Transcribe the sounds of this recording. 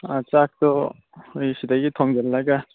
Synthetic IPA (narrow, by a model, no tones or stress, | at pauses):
at͡ʃak̚tɔ | jsidaɡitʰɔŋɡɛlːaɡa